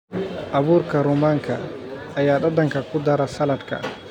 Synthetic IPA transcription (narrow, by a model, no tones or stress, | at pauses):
ʔabuɾkaɾumaŋka̰ʔajaːɗadaŋkakud̪aɾasalatka̰